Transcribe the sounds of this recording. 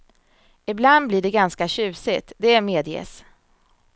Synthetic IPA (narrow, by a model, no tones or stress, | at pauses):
ɪbland̪bliːɖɛɡanskaɕʉ̟ːsɪt̪d̪ɛæɾmeːd̪jɛ̰s